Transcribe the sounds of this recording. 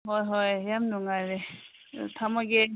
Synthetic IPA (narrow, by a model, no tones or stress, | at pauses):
ɦojɦɔjjamnuŋaɾe | tʰamaɡe